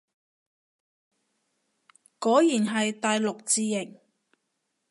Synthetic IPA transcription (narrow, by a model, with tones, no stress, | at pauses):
kɔː˨˥jiː˨˩nɦɐ˨jt̪aː˨jlʊ˨k̚t͡siː˨˧jɪ˨˩ŋ